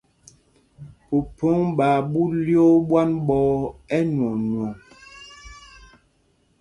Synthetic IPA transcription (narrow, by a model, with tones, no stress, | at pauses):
po˨po˦ŋba˨bu˦ljo˦bwa˦nbɔ˦ɛ˦nwɔ˨nwɔ˨